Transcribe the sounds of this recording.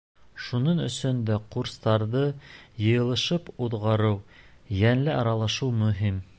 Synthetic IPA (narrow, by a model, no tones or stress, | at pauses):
ʃunɤɴɵ̰̆sɵnd̪æquɾst̪ɑɾðɤjɤ̆jɤ̆lˠɤ̆ʃɤpuðʁɑɾɤw | jænlɘɑɾɑlˠɑʃɤwmɵ̆ɦim